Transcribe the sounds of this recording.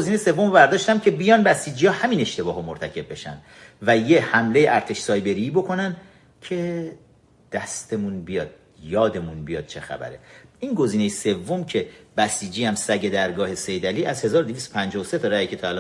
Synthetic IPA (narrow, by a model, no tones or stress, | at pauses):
oziːnejse̞vːomobæɾd̪ɒːʃt̪æmcʰe̞bijɒːnbæsiːd͡ʒiːɒːhæmine̞ʃt̪e̞bɒːɦomoɾt̪ʰæcʰe̞b̚be̞ʃæ̰nd̪̥ | væje̞hæmle̞jeʔæɾt̪ʰe̞ʃsɒːjbe̞ɾibo̞kʰo̞nænd̪ | cʰe̞ | d̪̥æst̪e̞munbijɒːd̪̥̚ | jɒːd̪e̞munbijɒ̰ːd̪̥̚t͡ʃʰe̞xæ̰bæ̰ɾeinɡo̞ziːnejese̞vːomcʰe̞b̥æsiːd͡ʒiːhæmsæɟe̞d̪æɾɡɒːhe̞se̞jd̪æliːʔæzhe̞zɒːɾod̪evist̪opʰænd͡ʒɒːhose̞t̪ʰɒɾæicʰet̪ʰɒælː